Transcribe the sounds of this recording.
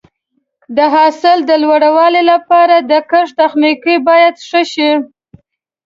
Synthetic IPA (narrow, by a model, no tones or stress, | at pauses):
d̪əɦɑsɪld̪əlwaɽawɑlelapɑɾad̪əkəʂt̪axnikibɑjad̪ʂəʃi